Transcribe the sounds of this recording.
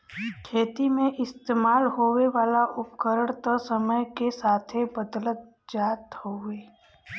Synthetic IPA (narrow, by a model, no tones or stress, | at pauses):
kʰeːt̪imẽʔɪst̪eːmaːlɦoːweʋaːlaʔʊpkəɾəɽ̃t̪əsəməjkesaːt̪ʰebəd̪lət̪̚ | d͡ʒaːt̪hoːeː